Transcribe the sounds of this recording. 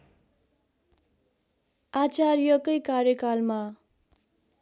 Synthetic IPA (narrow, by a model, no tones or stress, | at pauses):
at͡sarjʌkʌjkarjʌkalma